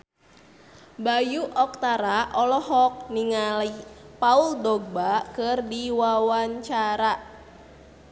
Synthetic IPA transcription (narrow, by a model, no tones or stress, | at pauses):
bajuʔɔk̚t̪aɾaʔɔlɔhɦɔk̚niŋalipauldoɡ̚bakɨrdiwawaɲt͡ʃaɾa